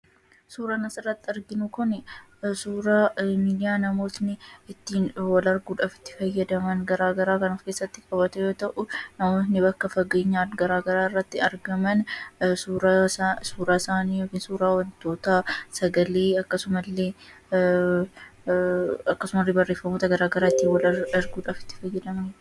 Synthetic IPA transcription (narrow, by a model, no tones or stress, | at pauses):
suːɾaːnɐsɪrːɐt̪ːɪɐɾɡɪnʊkɔnɛsuːɾaːmiːd̪ɪjaːnɐmo̞ːt̪nɪɪt̪ːiːnwɐlɐɾɡuːᶑɐfɪ̥t̪ːɪ̥fɐjːɐd̪ɐmɐnɡɐɾaːɡɐɾaːkɐnɐfke̞ːsːɐt̪ːɪkʼɐbɐt̪ɛjo̞ːt̪ɐʔʊnɐmoːt̪nɪbɐkːɐfɐɡeːɲːaːɡɐɾaːɡɐɾaːɪrːɐt̪ːɪɐɾɡɐmɐnsuːɾsuːɾaːsaːniːjoːkiːnsuːɾaːwɐnt̪o̞ːt̪ɐsɐɡɐleːɐkːɐsʊmɐlːeː | ɐkːɐsʊmɐlːeːbɐrːe̞ːfːɐmo̞ːt̪ɐɡɐɾaːɡɐɾaːɪt̪ːiːnwɐlɐɾɡuːᶑafɪ̥t̪ːɪ̥fɐjːɐd̪ɐmɐn